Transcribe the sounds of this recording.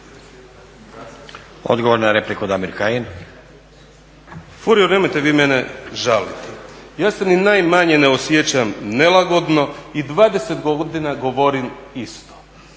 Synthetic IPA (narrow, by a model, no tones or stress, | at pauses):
o̰d̪ɡoʋoɾnaɾeplikud̪amiɾkajin | fuɾijoneːmojt̪eʋiːmeneʒalit̪ɛjaːseninajmaɲeneosjet͡ɕamne̞laɡo̞d̪no̞id̪ʋaːd̪esed̪ɡod̪inaɡo̞ʋo̞ɾimist̪o̥